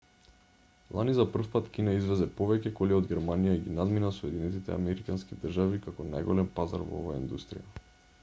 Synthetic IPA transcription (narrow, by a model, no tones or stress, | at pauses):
lˠanizapr̩fpat̪cinaizvɛzɛpovɛcɛkolɛod̪ɡʲɛɾmanijaɡinad̪minasɔɛd̪inɛt̪it̪ɛ̰a̰mɛɾikanskid̪r̩ʒavikakɔna̰jɡɔlɛmpaza̰ɾvo̰o̰vaja̰ḭnd̪ust̪ɾḭja